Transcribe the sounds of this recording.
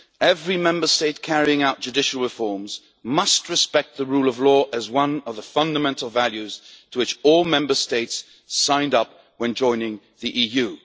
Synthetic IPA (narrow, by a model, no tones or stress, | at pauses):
ɛvɹimɛ̃mbə˞steɪt̚kʰæɹiɪ̃ŋaʊt̚d̥ʒ̥ʉdɪʃəl̩ˠɹɨfɔɹmz̥ | mʌst̚ɹɨspɛk̚t̪̚ðəɹuːlˠəvlɔːʔəzwʌ̃nʌvðəfʌ̃ndəmɛ̃ntʰˡl̩ˠvalˠjʉz̥tʰəwɨt͡ʃɔlˠmɛ̃mbə˞steɪts | ãɪ̃ndʌp̚ | wə̃nd͡ʒɔ̃ɪ̃nɪ̃ŋ | ðiʔiːjʉ